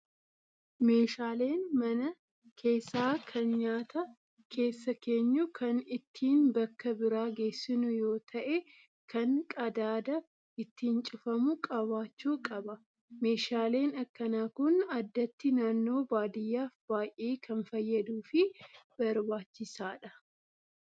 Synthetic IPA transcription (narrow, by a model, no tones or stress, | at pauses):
me̞ːʃaːle̞ːnmɐnɐ | kʰe̞ːsːaːkʰɐnɲaːt̪ɐ | kʰe̞ːsːɐke̞ːɲːʊkʰɐnɪt̪ʰːiːnbɐkːɐbɪɾaːɡe̞ːsːɪnʊjo̞ːt̪ʰɐʔe | kɐnkʼɐd̪aːd̪ɐ | ʔɪt̪ːiːnt͡ʃʼʊfɐmʊkʼɐβaːt͡ʃːuːkʼɐbɐ | me̞ːʃaːle̞ːnɐkːɐnaːkʊnɐd̪ːɐt̪ːɪnaːnːo̞ːbaːd̪ɪjːaːfb̥aːjʔeːkʰɐnfɐjːɐd̪uːfɪb̥ɐɾbaːt͡ʃːɪsaːᶑɐ